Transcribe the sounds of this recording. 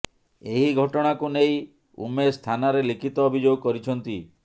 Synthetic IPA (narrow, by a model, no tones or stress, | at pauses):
eɦiɡʱɔʈɔɽ̃akunej | ṵmest̪ʰanaɾelikʰit̪ɔːbʱid͡ʒoɡɔkɔɾit͡ʃʰɔnt̪i